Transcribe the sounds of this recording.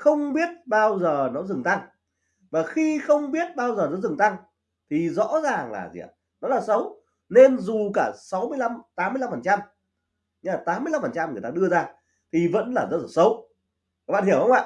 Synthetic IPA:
xə˧wŋ͡mɓi˦˥ət̚ɓaː˧wzəː˨˩nɔ˨˦zɨ˨˩ŋt̪a˧ŋ | vaː˨˩xi˧xə˧wŋ͡mɓi˦˥ət̚ɓaː˧wzəː˨˩nɔ˨˦zɨ˨˩ŋt̪a˧ŋ | t̪ʰi˨˩zɔ̰˧˥zaː˨˩ŋla̰ː˨˩zḭ˨˩ə̰˨˩ | nɔ˨˦laː˨˩sə˨˦w | ne˧nzu˨˩kaː˧˩sa˨˦wmɨ˧əjla˧mt̪aː˨˦mː˧jla˧mfəː˨˩nt͡ɕa˧m | ɲɨ˧aː˨˩t̪aː˨˦mɨ˧jla˧mfə˨˩nt͡ɕa˧mŋ˨˩əjt̪aː˧ɗɨ˧əzaː˧ | t̪ʰi˨˩və̰˧˥nlaː˨˩zə̰˦˥t̚ə˧˩sə˨˦w | a˨˦˩ɓa̰ː˧˨nhi˧˩əwhə˧wŋ͡ma̰ː˧˨

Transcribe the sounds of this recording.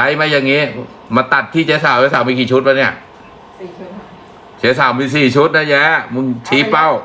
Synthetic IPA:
a˦˥jma˦˧˥jaː˨˩ŋiː˦˥ | ma˧t̪a˨˩t̪ʰːiː˥˩t͡ɕɛː˦˥saː˨˦wɛː˧˦˥s̬aː˨˩˦wmiː˧kiː˨˩t͡ɕʰu˦˥t̪̚ma˧ni˧˥˩ɐʔ | t͡ɕʰɛː˨˦saː˨˦wmiː˧siː˨˩t͡ɕʰu˦˥t̪̚na˦˧˩jɛː˦˥mu˧ŋt͡ɕʰiː˦˥pa˥˩w

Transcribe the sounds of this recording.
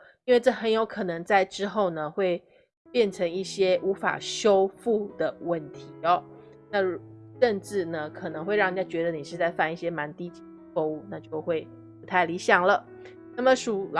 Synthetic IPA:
i˥nwe˥˧ɪʈ͡ʂɤ˥˩xə˧˦˥njo˧˥ʊkʰɤ˨˩nɤ˧˥ŋt͡sa˥˩ɪʈ͡ʂɻ̩˥xo˥˩ʊnə˩xwe˥˧ɪ | pjɛ˥˩nʈ͡ʂʰə˧˥ŋi˥˩ɕjɛ˥ʔu˧˥fa̰˨˩ɕjo˥ʊfu˥˩d̪ə˩wə˥˨nt̪ʰi˧˥˦ɔ˦ | na˥˩˧ʈ͡ʂə˥˧nʈ͡ʂɻ̩˥˩nə˩kʰɤ˨˩nə˧˦ŋxwe˥˧ɪɻɑ˥˩ŋ˨˩ja˥˩t͡ɕɥɛ˧˥d̪ə˧˦ni˨˩ʂɻ̩˥˧t͡sa˥˧ɪfa˥˧ni˥˩ɕjɛ˥ma˧˥nt̪i˥t͡ɕi˧ | fo˥˧u˥˩na˥˧t͡ɕjo˥˧ʊxwe˥˩ɪ | pu˧˥t̪ʰa˥˩ɪli˧˥ɕjɑ˨˩ŋlə˩ | na˥˩mə˨˩ʂu˨˩l

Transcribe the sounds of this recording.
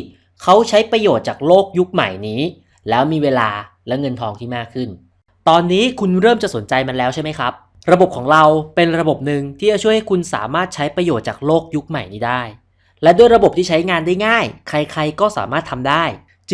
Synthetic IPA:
kʰa˦˥wt͡ɕʰa˦˥jpɾa˧joː˨˩t̪̚t͡ɕaː˨˩k̚loː˥˩k̚ju˦˥k̚ma̰˨˩jniː˦˥ | lɛː˦˥wmiː˧weː˧laː˧ | lɛ˦˥wŋɤ˧nt̪ʰɔː˧ŋt̪ʰiː˥˩maː˥˩kʰːɯ˥˩n | t̪ɔː˧nːiː˦˥kʰu˧nɾɤː˥˩mt͡ɕa˨˩so˩˦nt͡ɕa˧jma˧nlɛː˦˥wt͡ɕʰa˥˩ma˦˥jkʰɾa˦˥p̚ | ɾa˧bo˨˩p̚kʰɔː˩˦ŋɾa˧wpe˧nɾa˧bo˨˩p̚nɯ˨ŋt̪ʰiː˥˩t͡ɕa˨˩t͡ɕʰu˥˩əjha˥˩kʰu˧nsa̰ː˩˦maː˥˩t̪̚t͡ɕʰa˦˥jpɾa˧joː˨˩t̪̚t͡ɕa̰ː˨˩k̚loː˥˩k̚ju˦˥k̚ma˨˩jniː˦˥daː˥˩j | lɛ˦˥du˥˩əjɾa˧bp̚t̪ʰiː˥˩a˦˥jŋaː˧ndaː˥˩jŋaː˥˩jkʰa˧jkʰa˧jkɔː˥˩sa̰ː˩˦maː˥˩t̪ʰa˧mdaː˥˩j | t͡ɕ

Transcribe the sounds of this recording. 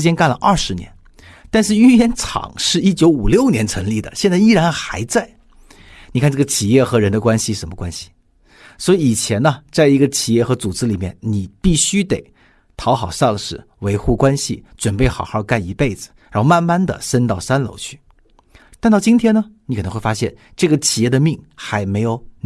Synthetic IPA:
t͡ɕjɛ˥nka˥˩nlə̰˩ʔɐ˥˩ʂɻ̩˧˥njɛ̰˧˥n | t̪a˥˧nʂɻ̩˥˧y˥jɛ˧˥nʈ͡ʂʰɑ̰˨˩˦ŋʂɻ̩˥˧i˥t͡ɕjo˧˥ʊu˨˩ljo˥˩ʊnjɛ˧˥nt͡sʰə˧˥ŋli˥˩d̪ə̰˩ɕjɛ˥˧nt͡sa˥˧ɪi˥ɻa˧˥nxa˧˥ɪt͡sa˥˩ɪ | ni˨kʰnʈ͡ʂɤ˥˩ɡə˩t͡ɕʰi˨˩jɛ˥˩xɤ˧˥ɻə˧˥nd̪ə˧kwa˥nɕi˨˧ʂə˧˥mə˧kwa˥nɕi̥˨˩ | swɔ˧˥i˧i˨˩t͡ɕʰjɛ˧˥nə˧t͡sa˥˩ɪi˧˥ɡə˧t͡ɕʰi˨˩jɛ˥˩xɤ˧˥t͡su˨˩ʈ͡ʂɻ̩˥li˨˩mjɛ̰˥˩nni˨˩pi˥˩ɕy˥t̪e˨˩ɪ | t̪ʰɑ˧˥ʊxɑ˨˩ʊʂɑ˥˧ŋʂɻ̩˥˩ | we˧˥ɪxu˥˩kwa˥nɕḭ˨ʈ͡ʂwə˨˩npe˥˩ɪxɑ˨˩ʊxɑ˥˧ka˥˩ni˧˥pe˥˩ɪd͡zɹ̩˩ɻa˧˥xo˥˧ma˥˧nma˥˩nd̪ə̰˨sə˥nt̪ɑ˥˩ʊsa˥nlo̰˧˥ʊt͡ɕʰy˥˩ | t̪a˥˧nt̪ɑ˥˩˧t͡ɕi˥nt̪ʰjɛ˥nə˧ni˧kʰn˧˥xwe˥˩fa˥ɕjɛ˥˩n | ʈ͡ʂɤ˥˩ɡə˩t͡ɕʰi˨˩jɛ˥˩d̪ə˩mi˥˩ŋxa˧˥ɪme˧˥ɪjo˨˩ʊ

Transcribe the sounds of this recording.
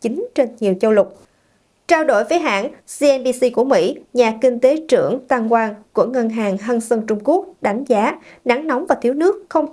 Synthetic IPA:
t͡ɕï˨˦ŋ̟t͡ɕe˧nɲi˨˩əwt͡ɕə˧wlʊ˨˩k͡p̚ | t͡ɕaː˧wɗo̰˧˩jvə˨˦jɦa̰ː˧˩nsi˧ʔɛ˧nɓi˧si˧ku˧˩əmḭ˧˥ɲaː˨˩kï˧ŋ̟t̪e˨˦t͡ɕɨ̰˧˩əŋt̪aː˧ŋkwaː˧nku˧˩əŋə˧nɦaː˨˩ŋɦə˧nsə˧ŋt͡ɕʊ˧ŋ͡mku˦˥ək̚ɗa˨˦jŋ̟zaː˨˦ | na˨˦ŋnɔ˨˦wŋ͡mvaː˨˩t̪ʰi˨˦wnɨ˦˥ək̚xə˧wŋ͡m

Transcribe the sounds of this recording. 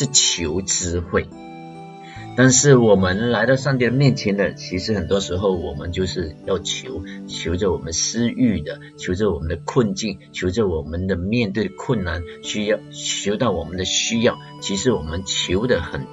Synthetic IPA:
ʂɻ̩˥˩t͡ɕʰjo˧˥ʊʈ͡ʂɻɹ̩˥xwe˥˩ɪ | t̪a˥˧nʂɻ̩˥˩wɔ˨˩mə˦nla˧˥ɪɾɑ˥˧ʊʂɑ˥˧ŋt̪i˥˩d̪ə˩mjɛ˥˩nt͡ɕʰjɛ˧˥nd̪ə˨t͡ɕʰi˧˥ʂɻ̩˧˥xə˨˩nt̪wɔ˥ʂɻ̩˧˥xo˥˩ʊwɔ˨˩mə̰˦nt͡ɕjo˥˧ʊʂɻ̩˥˧jɑ˥˩ʊt͡ɕʰjo˧˥ʊt͡ɕʰjo˧˥ʊʈ͡ʂə˧˨wɔ˨˩mə˦nsɹ̩˥y˥˩d̪ə˩ | t͡ɕʰjo˧˥ʊʈ͡ʂə˧wɔ˨˩mə˦nd̪ə˧kʰwə˥˧nt͡ɕi˥˩nt͡ɕʰjo˧˥ʊʈ͡ʂə˧wɔ˨˩mə˦nd̪ə˨mjɛ˥˧nt̪we˥˩ɪd̪ə˩kʰwə˥˩nnːa˧˩n | ɕy˥jɑ˥˩ʊt͡ɕʰjo˧˥ʊt̪ɑ˥˩ʊwɔ˨˩mə˦nd̪ə˧ɕy˥jɑ˥˩ʊ | t͡ɕʰi˧˥ʂɻ̩˧˥wɔ˨˩mə˧˦nt͡ɕʰjo˧˥ʊd̪ə˨xə˨˩n

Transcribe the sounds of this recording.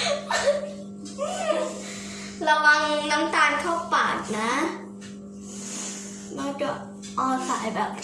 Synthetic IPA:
ɾa˧wa˧ŋna˦˥mt̪aː˧nkʰa˥˩wpa̰ː˨˩t̪̚na˦˥ | ma˧ŋt͡ɕa˨˩ | ʔɔː˧sa̰ː˩˦jbɛː˨˩p̚

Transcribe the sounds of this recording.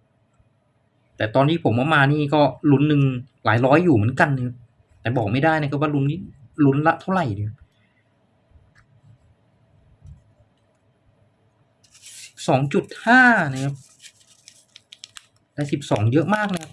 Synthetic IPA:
t̪ɛː˨˩t̪ɔː˧nt̪ʰiː˥˩pʰo˩˦mʔa˧˩wmaː˧niː˥˩kɔː˥˩lu˧˦˥nːɯ˨˧ŋlaː˩˦jɾɔː˦˥jːuː˨˩mɯ˩˦nka˧nːa˧˩kʰa˦˥p̚ | t̪ɛː˨˩bɔː˨˩k̚ma˥˩jdaː˥˩jna˧˥˩kʰa˧˥p̚waː˥˩lu˦˥ni˥˩ | lu˧˦˥nla˦˥ʔt̪ʰa˥˩wɾa˨˩jdɯ˧˩kʰa˧˥p̚ | sɔː˩˦ŋt͡ɕu˨˩t̪̚haː˥˩na˧˩kʰa˦˧˥p̚ | lɛ˦˧˥si˨˩p̚sɔː˩˦ŋjɤ˦˥ʔmaː˥˩k̚na˧˦˥kʰa˦˥p̚

